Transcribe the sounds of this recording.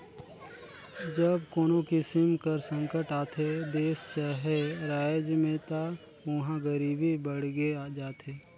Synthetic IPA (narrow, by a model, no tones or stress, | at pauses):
d͡ʒəb̚koːnokɪsɪmkəɾsə̃ŋkəʈaːt̪ʰed̪eːst͡ʃaɦeɾaːjd͡ʒmẽt̪a | ʊɦãɡəɾiːbʱibəɽ̤ɡead͡ʒaːt̪ʰeː